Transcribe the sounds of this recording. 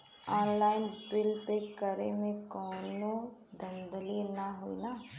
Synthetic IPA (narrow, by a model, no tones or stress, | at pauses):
ɔːnlaːɪnbɪlpekəɾemẽkɔːnod̪ə̃nd̪əlinaɦuḭna